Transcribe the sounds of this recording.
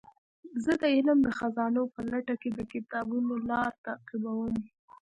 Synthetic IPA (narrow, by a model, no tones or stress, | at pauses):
zəd̪əɪləmd̪əxazɑnopəlaʈaked̪əkɪt̪ɑbunolɑɾt̪aqɪbawəm